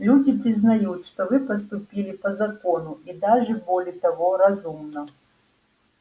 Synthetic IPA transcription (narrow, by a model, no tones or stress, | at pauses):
lʲudʲɪpɾʲɪznɐjut̪ʂt̪ovɨpəst̪ʊpʲilʲɪpəzɐkonʊʔid̪aʐɨbolʲɪət̪ɐvoɾɐzumnə